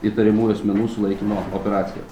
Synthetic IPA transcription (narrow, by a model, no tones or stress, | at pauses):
it̪ɐɾʲɛmuːjʊɐsʲmʲɛnuːsʊlˠɐɪkʲiːmoːɔpʲɛɾɑːt̪sʲɪjɛ̰